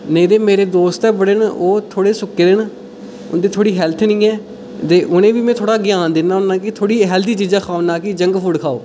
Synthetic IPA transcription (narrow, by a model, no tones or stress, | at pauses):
nəĩːd̪eːmeːɾeːd̪oːst̪ɛːbəɽenoːt̪ʰoːɽeːsʊkːeːd̪en | ʊ̰nd̪eːt̪ʰoːɽiːɦɛːlt̪ʰnĩːɛː | d̪eːʔʊnẽːʋiːmɛ̃ːt̪ʰoːɽaːɡɪjaːnd̪ɪnːaːʊnːãːkɪt̪ʰoːɽiːɦɛld̪iːt͡ʃiːd͡ʒaːkʰaːonãːkɪd͡ʒəŋɡpʰʊɽkʰaːo̰ː